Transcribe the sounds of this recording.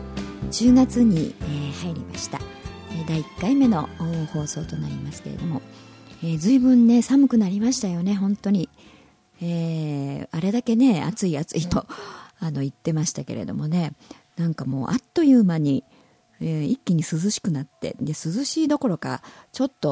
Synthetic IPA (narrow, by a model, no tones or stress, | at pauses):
t͡ɕɨːɡat͡sɨɲ̟iehaiɾʲima̰ɕi̥t̪a̰ed̪aikːaime̞no̞ɯho̞ːso̞ːt̪o̞naɾʲimasɨ̥ke̞ɾe̞̰d̪o̞mo̞ | eːzɨibɯ̟̃nːe̞samɯ̟kɯ̟naɾʲimaɕi̥t̪ajo̞ne̞ɦõ̞nt̪o̞ɲ̟i | eː | aɾe̞d̪ake̞ne̞a̰t͡sɨiat͡sɨit̪o̞ano̞it̪ːe̞maɕi̥t̪ake̞̰ɾe̞̰d̪o̞̰mo̞ne̞ | nãŋkamo̞̰ːʔa̰t̪ːo̞jɯ̟ːmaɲ̟i | ikʲːiɲ̟isɨzɨɕi̥kɯ̟nat̪ːe̞̰d̪e̞sɨzɨɕiːd̪o̞ko̞ɾo̞ka̰t͡ɕo̞t̪ːo̞